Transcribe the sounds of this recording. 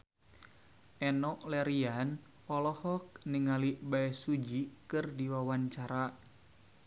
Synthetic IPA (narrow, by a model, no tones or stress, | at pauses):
ɛnɔʔlɛɾian | ɔlɔhɔk̚niŋalibaɛsud͡ʒikɨrdiwawaɲt͡ʃaɾa